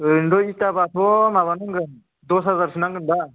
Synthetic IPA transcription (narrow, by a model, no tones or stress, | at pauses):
ɯndɔitabat̪ʰɔmaβanaŋɡɯn | d̪ɔsɦazaɾsɯnaŋɡɯnda